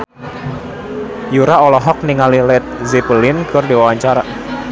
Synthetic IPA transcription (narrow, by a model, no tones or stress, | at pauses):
juɾaɔlɔɦɔk̚niŋalilɛt̪̚zipəlɪnkɨrdewawaɲt͡ʃaɾa